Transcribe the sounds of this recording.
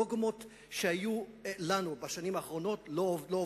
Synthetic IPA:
oɡmo̞t | ʃehajulanubaʃanimaːχʁo̞no̞tlolo

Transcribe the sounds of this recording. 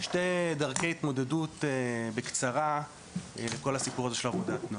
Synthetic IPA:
ʃtejdaʁkejit̪mo̞dedutbekt͡saʁa | leko̞lhasipuʁazeʃe̞lavo̞datn

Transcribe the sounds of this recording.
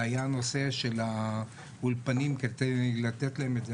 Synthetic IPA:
ajano̞se̞ʃe̞la | ulpanimket̪elat̪et̪laemet̪dze

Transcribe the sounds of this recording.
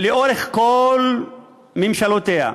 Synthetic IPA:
leʔoɾeχkol | memʃalot̪eha̰

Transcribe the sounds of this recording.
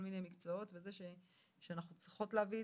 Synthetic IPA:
olminejmikt͡sootvezeʃe | ʃeanaχnut͡sʁiχo̞tleavi

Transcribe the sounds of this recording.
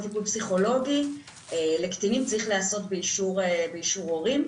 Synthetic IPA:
vibudpsiχo̞lo̞ɡi | elekt̪inimt͡saʁiχlaːso̞t̪beiʃuʁebeiʃuʁo̞ʁim

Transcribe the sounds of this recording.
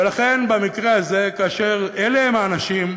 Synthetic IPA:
elaχe̞nbamikʁe̞aze̞kaːʃeʁeleemaːnaʃim

